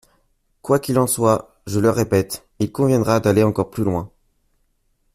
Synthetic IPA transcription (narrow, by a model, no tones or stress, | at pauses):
kwakilɑ̃swa | ʒələʁepɛt̪ | ilkɔ̃vjɛ̃d̪ʁad̪aleɑ̃kɔʁplylwɛ̃